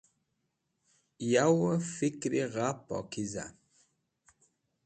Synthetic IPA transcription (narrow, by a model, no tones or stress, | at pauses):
jawəfikɾiɣapɔ̰kiza̰